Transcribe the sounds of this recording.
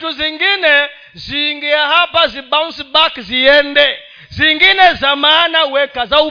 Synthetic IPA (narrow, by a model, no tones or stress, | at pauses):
tuziŋɡinɛ | ziŋɡijahapazibaŋsibakziɛndɛ | ziŋɡinɛzamanawɛkazau